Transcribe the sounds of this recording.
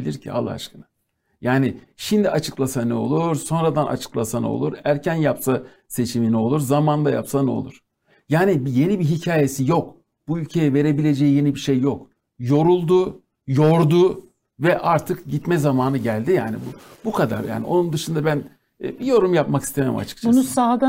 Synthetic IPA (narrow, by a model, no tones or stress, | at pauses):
ilʲiɾcʰḭa̰lˠːa̰a̰t͡ʃkɯna | jaːnɪ | ʃimd̪iat͡ʃʰɯ̥klˠasanɛo̞̰lˠuɾso̞nɾad̪anʔa̰t͡ʃʰɯ̥klˠasanɛ̰o̰lˠuɾæɾcʰænjapsa | se̞t͡ʃʰiminɛo̞lˠuɾzamand̪aja̰psanɛo̞̰lˠuɾ̥ | jaːnibije̞nibiɦicʰaːje̞sijo̞k | b̥uylʲcʰe̞jɛve̞ɾe̞bilʲe̞d͡ʒejije̞nibiʃejːok | jo̞ɾulˠd̪u | jo̞ɾd̪u | vɛʔaɾt̪ʰɯkɟit̪mɛzamaːnɯɟælʲd̪ija̰ːnḭbubukʰad̪a̰ɾja̰ːnḭʔo̞̰nund̪ɯʃɯnd̪abæn̰ː | bijo̞ɾumjap̚maki̥st̪ʰememḭma̰t͡ʃʰɯ̥kt͡ʃunsusaːɡ̪a